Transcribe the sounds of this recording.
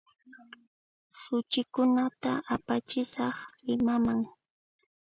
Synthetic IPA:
sʊt͡ʃɪkʊnat̪aʔapat͡ʃɪsɑχlɪmamaŋ

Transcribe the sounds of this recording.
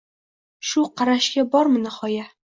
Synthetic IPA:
ʃʊqʰɑɾaʃɡʲabɒɾmɪnɪhɒja

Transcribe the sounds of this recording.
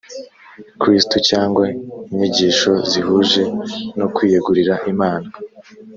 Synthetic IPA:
kɾistucaːŋɡweiɲiɟiːʃo̞zihuʒe̞nokwiːjeɡuɾiɾaʔimaːna

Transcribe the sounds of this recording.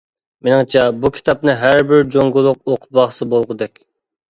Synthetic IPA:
menɨŋt͡ʃʰɛbukʲʰi̥t̪ʰɑp̚nɨɦæɾbɪɾd͡ʒoŋɡʊlˠʊqoqʰʊ̥bɑχsɨbolˠʁʊd̪ɛkʲ

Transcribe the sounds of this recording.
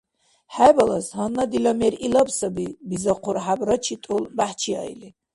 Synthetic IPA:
ħajbalashanːad̪ilamɛɾilabsɐbibizaqʰuɾħabrɐt͡ʃʰit̪ʼulbaħt͡ʃʰia̰jli

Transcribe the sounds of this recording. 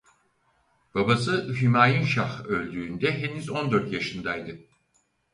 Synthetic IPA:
b̥abasɯɦymaːjɯnʃaxø̞lʲd̪yːnd̪ɛɦenyzo̞nd̪øɾt̪jaʃɯnd̪ajd̪ɯ

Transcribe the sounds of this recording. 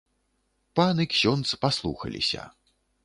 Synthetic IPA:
panɨksʲɔnt̪spaslˠṵxɐ̰lʲḭsʲɐ̰

